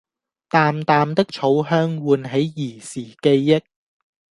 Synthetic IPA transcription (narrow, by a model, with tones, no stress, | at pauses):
t̪aː˨mt̪aː˨mt̪ɪ˥k̚t͡ʃʰo˨˧wɦœː˥ŋwuː˨nɦe˨˧˥jːiː˨˩siː˨˩ke˧jːɪ˥k̚